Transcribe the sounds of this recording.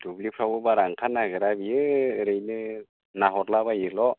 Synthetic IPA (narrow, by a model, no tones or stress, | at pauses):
d̥ublipʰɾawɯbaɾaŋkʰanːaɡɯɾabiɯɾɯjnɯ | naɦɔt̚labajilɔ